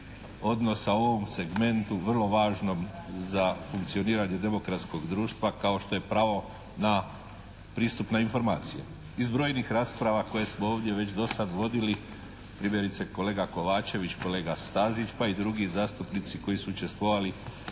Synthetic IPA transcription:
o̞d̪no̞saooʋomse̞ɡme̞nt̪uʋrlˠo̞ʋaːʒno̞mzafuŋkt̪sio̞niːɾaɲe̞d̪e̞mo̞kɾat̪sko̞ɡd̪ɾuːʃt̪ʋakao̞ʃt̪o̞je̞pɾaʋo̞ | na | pɾiːst̪upnainfo̞ɾma̰ːt̪sije | izbɾo̞ːjnixɾaːspɾaʋako̞je̞smooːʋd̪je̞ʋe̞t͡ɕd̪o̞sad̪ʋo̞d̪ili | pɾimjeɾit̪seko̞le̞ːɡako̞ʋaːt͡ʃe̞ʋit͡ɕko̞le̞ːɡast̪azit͡ʃpaid̪ɾuɡizaːst̪upnit̪siko̞jisuut͡ʃe̞st̪ʋo̞ʋali

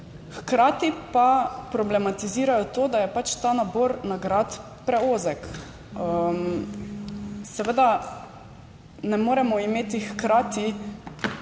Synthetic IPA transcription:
xkɾaːt̪ipapɾɔblɛmat̪iziːɾajɔt̪oːd̪ajɛpat͡ʃt̪aːnabɔːɾnaɡɾat̪ | pɾɛoːzɛk | əm | sɛʋəd̪a | nɛmoːɾɛmɔimeːt̪ixkɾaːt̪i

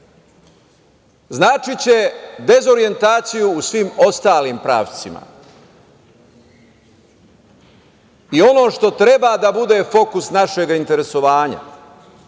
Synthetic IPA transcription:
znaːt͡ʃit͡ɕe̞d̪e̞zo̞ɾie̞nt̪aːt̪sijuːsʋimo̞st̪aːlimpɾa̰ːʋt̪sima̰ | io̞no̞ːʃt̪o̞t̪ɾe̞baːd̪abud̪e̞ːfo̞kusnaʃe̞ɡaint̪e̞ɾe̞so̞ʋaːɲa̰

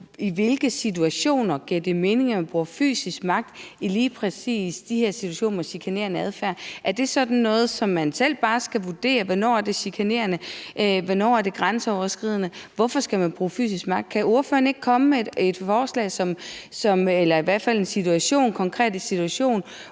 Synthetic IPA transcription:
iʋe̝lɡ̥əsit͡sʰuæɕo̝̰ːnɐɡ̥iɐ̰d̥eme̝ːne̝ŋɐmænb̥ʁuːɐfy̰ːsisɡ̥mɑ̈ɡ̥̚d̥iliːpʰʁɛsḭːsd̥iheɐ̰sit͡sʰuæɕo̝̰ːnɐmɒɕikʰæne̝ɐnəæðˠfæɐʔæɐd̥e̝sɒ̽d̥n̩ːɔ̽ːð̞̩ˠsɒ̽mːænsel̰b̥ɑ̈ːsɡ̥æʋud̥e̝̰ːɐʋɒnɒ̰ːæɐd̥e̝ɕikʰæne̝̰ɐnəʔʋɒnɒ̰ːæɐd̥e̝ɡ̥ʁansəɒʊɐsɡ̥ʁið̞ˠnəʋɒfɒ̽sɡ̥æmænb̥ʁuːfy̰ːsisɡ̥mɑ̈ɡ̥̚d̥̚kʰæʔo̝ɐføːɐne̝ɡ̥̚kʰɒ̽məmee̝d̥fɒːslɛ̰ɪsɒ̽msɒ̽melɐiʋæɐ̰d̥fæl̰e̝nsit͡sʰuæɕo̝̰ːnkʰɒ̽ŋkʰʁɛ̰ːd̥isit͡sʰuæɕo̝̰ːn

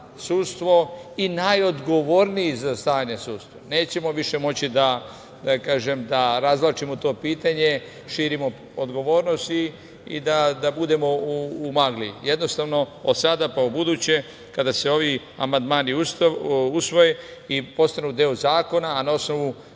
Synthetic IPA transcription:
suːt̪st̪ʋo̞inajo̞d̪ɡo̞ʋo̞ɾnijizast̪aːɲesuːt̪st̪ʋone̞ːt͡ɕe̞mo̞ʋiʃe̞mo̞t͡ɕid̪a | kaːʒe̞md̪aɾazʋlˠat͡ʃimot̪o̞ːpiːt̪aɲe̞ | ʃiːɾimo̞ | od̪ɡo̞ʋo̞ːɾno̞st̪i | ḭd̪ad̪abud̪e̞mo̞uːmaɡlije̞d̪no̞st̪aʋno̞od̪sad̪apaubud̪uːt͡ɕe̞ | kad̪ase̞o̞ʋi | a̰mand̪maːniususʋo̞jeipo̞st̪anud̪eozaːko̞naːnao̞sno̞ʋu

